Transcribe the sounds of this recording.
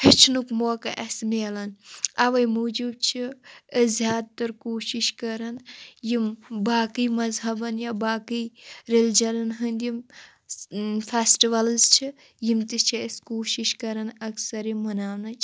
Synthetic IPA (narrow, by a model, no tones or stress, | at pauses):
het͡ʃʰnukmoːkɐʔɐsmiɐlɐnɐʋɐjmod͡ʒub̚t͡ʃʰiəzjaːd̪t̪ɐɾkoːʃiʃkɐɾɐnjimbaːkijmɐzɦɐbɐnjabaːkiɾeld͡ʒɐlɐnɦɐnd̪jim | fʰesʈiʋɐlzt͡ʃʰi | jimt̪it͡ʃʰieskoːʃiʃkɐɾɐnɐksɐɾimɐnaːwnɐt͡ʃʰ